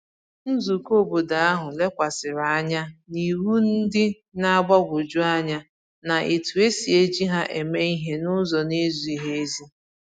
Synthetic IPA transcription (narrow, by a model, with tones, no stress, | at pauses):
n̩˦zu˨ko˦˨bo˨da˨a˦ɦʊ˨le˦kʷa˨sɪ˨ɾa˨a˦ɲa˦ni˨ɾu˦n̩˦dɪ˦ | na˦a˦ɡ͡ba˦ɡʷʊ˨d͡ʒu˦a˦ɲa˦ | na˨ʔe˨tu˨e˦si˨e˦d͡ʒi˦ɦa˦ʔe˨me˦i˦ɦe˦nʊ˦zɔ˨ne˦zu˨i˨ɦe˦e˦zi˦